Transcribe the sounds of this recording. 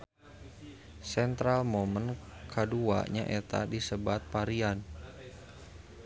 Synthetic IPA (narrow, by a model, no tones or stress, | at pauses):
sɛnt̪ɾalmomənkʰədua̰ɲaʔɛt̪a̰disəbat̪̚paɾian